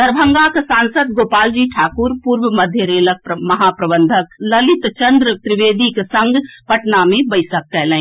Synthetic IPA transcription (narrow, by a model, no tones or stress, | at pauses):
d̪ɐɾbʱə̃ŋɡaːksãːnsəd̪̚ɡoːpaːld͡ʒiːʈʰaːkʊɾpuːɾʋəmɐd̪ʱjəɾeːlək̚pmɐɦaːpɾəbə̃nd̪ʱək̚lɐlɪt̪t͡ʃɐ̃nd̪ɾət̪ɾɪʋeːd̪iksɐ̃ŋɡʱpɐʈnamẽbɐɪsək̚ʈɛːlə̃ẽ